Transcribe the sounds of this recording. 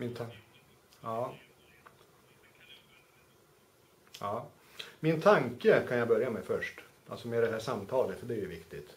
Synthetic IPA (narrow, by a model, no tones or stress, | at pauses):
mɪnt̪ʰ | ɑː | jɑː | mɪnt̪ʰaŋkəkʰanjabœɾjamɛfœʂʈʔa̰lsɔmeːd̪ɛɦæːʂamːt̪ʰɑːlət̪fœɖɛæɾjɵvɪkt̪ɪt̪